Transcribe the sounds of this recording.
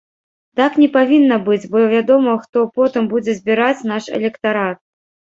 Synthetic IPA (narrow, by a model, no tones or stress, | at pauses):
t̪aknʲɛpavʲinːɐbɨt͡sʲbɔvʲad̪ɔmɐxt̪ɔpɔt̪ɨmbud͡zʲɛzʲbʲiɾat͡sʲnaʂɛ̰lʲɛkt̪aɾat̪̚